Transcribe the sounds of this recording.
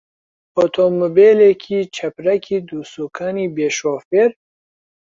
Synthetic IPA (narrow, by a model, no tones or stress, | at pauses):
ot̪ʰomobeːlekʰit͡ʃʰɐpɾɐkʰid̪usukʰanibeʃoːfeɾ